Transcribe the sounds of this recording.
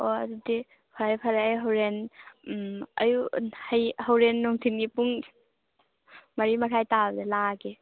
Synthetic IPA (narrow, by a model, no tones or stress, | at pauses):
odudi | pʰaɾjpʰaɾaajɦawɾen | ɐ̰juhɐjhawɾenːɔŋtʰinɡipuŋ | mɐɾimɐɾʰajtabdelaɡi